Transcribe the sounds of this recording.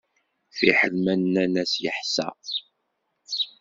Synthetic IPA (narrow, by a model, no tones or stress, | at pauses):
θiħəlmænːænæsjəħsæ̰